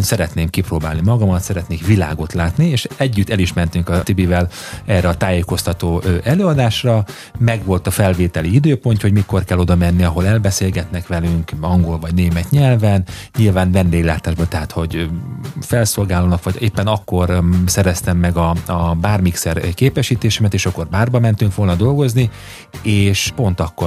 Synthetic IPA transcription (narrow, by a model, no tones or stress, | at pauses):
nsɛɾɛt̪neːmkiproːbaːlnimɒɡɒmɒt̪sɛɾɛt̪neːkʋila̰ːɡo̞t̪laːt̪nieːʃɛɟːyt̪ːɛliʃmɛnt̪yŋkɒt̪ibivɛl | ɛrɛɒt̪aːjeːko̞st̪ɒt̪oːʔɛløːɒd̪aːʃrɒ | mɛɡʋo̞lt̪ɒfɛlveːt̪ɛliid̪øːpo̞nt̪ho̞ɟmiko̞rkɛlːo̞d̪ɒmɛnːiɒɦo̞lɛlbɛseːlɡɛt̪nɛkʋɛlyŋkɒŋɡo̞lvɒɟneːmɛt̪ɲɛlvɛnɲilvaːnvɛnd̪eːɡlaːt̪aːʒbolt̪ɛɦaːt̪ho̞ɟ | fɛlso̞lɡaːlonɒkʋɒɟeːpːɛnɒkːo̞rsɛɾɛst̪ɛmːɛɡɒɒbaːrmiksɛrkeːpɛʃiːt̪eːʃɛmɛt̪eːʃɒkːo̞rbaːrbɒmɛnt̪yŋkʋo̞lnɒd̪o̞lɡo̞zni | eːʃpo̞nt̪ɒkːo